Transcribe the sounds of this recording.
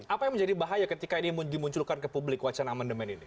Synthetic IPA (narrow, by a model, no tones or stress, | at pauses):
apajaŋməɲd͡ʒadibaɦajakət̪ikainimudimuɲt͡ʃʊlkankəpublɪkwat͡ʃanamandəmɛnini